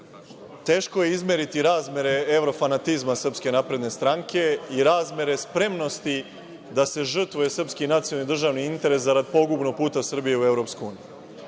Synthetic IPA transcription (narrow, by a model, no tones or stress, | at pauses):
t̪e̞ːʃko̞jeizmʲje̞ɾit̪iɾaːzmʲje̞ɾe̞e̞wɾo̞fanat̪izmasr̩pske̞napɾe̞d̪ne̞st̪ɾaŋkʰe̞iɾaːzmje̞ɾe̞spɾe̞mno̞st̪i | d̪ase̞ʒr̩t̪ʋuje̞sr̩pskinat̪sionid̪r̩ʒaːʋniint̪e̞ɾe̞szaɾad̪̚po̞ɡubno̞ɡ̚puːt̪asɨr̩bijeue̞ʋɾopskojuːniju